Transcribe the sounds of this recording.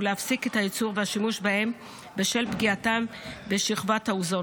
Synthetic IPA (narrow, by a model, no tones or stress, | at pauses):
uleafsike̞thajit͡suʁveaʃimuʃbahe̞m | beʃelbɡiatambeʃiχvathauzo